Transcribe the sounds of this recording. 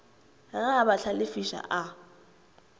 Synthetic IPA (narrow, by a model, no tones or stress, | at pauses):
ɣaːbaɬʰalɪfiʃa̰ʔa